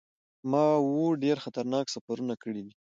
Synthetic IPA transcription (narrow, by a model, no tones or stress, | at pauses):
mɑwoɖeɾxat̪aɾnɑksafaɾunakəɽid̪i